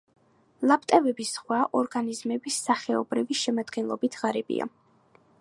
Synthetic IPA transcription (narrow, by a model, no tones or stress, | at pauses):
lˠap̚ʰt̪ʼɛvɛbisχwaʔɔɾɡanizmɛbisːaχɛɔbɾiviʃɛmad̪ɡɛnlˠɔbit̪ʰʁaɾɛbḭʔa̰